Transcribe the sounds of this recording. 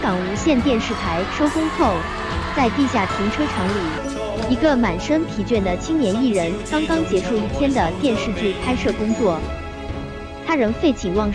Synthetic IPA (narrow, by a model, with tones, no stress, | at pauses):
kɑ˨˩ŋu˧˥ɕjɛ˥˧nt̪jɛ˥˧nʂɻ̩˥˩t̪ʰa˧˥ɪʂo˥ʊkʊ˥ŋxʰo˥˩ʊ | t͡sa˥˧ɪt̪i˥˧ɕ̬ja˥˩t̪ʰi˧˥ŋʈ͡ʂʰwɤ˥ʈ͡ʂʰɑ˧˥ŋli˨˩ | i˧˥ɡə˧ma˨˩nʂə˥ŋt̪ʰi˧˥t͡ɕɥɛ˥˩nd̪ə˩t͡ɕʰi˥ŋnjɛ˧˥ni˥˩ɻə˧˥nkɑ˥ŋkɑ˥ŋt͡ɕjɛ˧˥ʈ͡ʂʰu˥˧i˥˩t̪ʰjɛ˥nd̪ə˨t̪jɛ˥˧nʂɻ̩˥˧t͡ɕy˥˩kʰa˥ɪʂɤ˥˩kʊ˥ŋt͡swɔ˥˩ | t̪ʰa˥ɻə˧˥ŋfe˥˩ɪt͡ɕʰi˨˩ŋwɑ˥˧ŋ